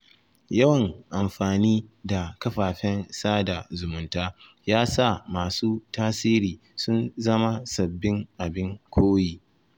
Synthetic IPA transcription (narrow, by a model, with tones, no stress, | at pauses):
jɐ˦wɐ˨ŋʔa˨mɸaː˨niː˦da˨kɐ˦ɸaː˨ɸɛ˦nsaː˦da˨zʊ˨mʊ˨ntaː˦ | jaː˦sa˦˨maː˨suː˦taː˦siː˦ɾiː˨ | sʊ˦nzɐ˦ma˦sɐ˨bːɪ˦ŋʔa˨bɪ˦ŋkʷʰoː˦jiː˨